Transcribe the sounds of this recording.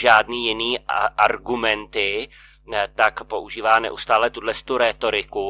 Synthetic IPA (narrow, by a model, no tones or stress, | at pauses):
ʒaːdniːjɪniːʔaɾɡumɛnt̪ɪ | t̪akpo̞ʔuʒiːvaːnɛ̰ʔust̪aːlɛt̪udlɛst̪uɾɛːt̪o̞ɾɪku